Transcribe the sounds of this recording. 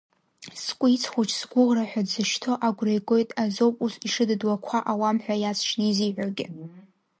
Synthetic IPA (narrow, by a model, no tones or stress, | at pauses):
skʷʼʊit͡sʰχʷut͡ʃʰʼsɡʷʊʁraħʷᶣadzɨʃtʰo̞ʔaɡʷrajɡʷo̞jtʼazo̞wpʼusiʂɨdɨdwakʷʰaʔawamħʷᶣajat͡sʰʂniziʕʷarɡʲɪ̰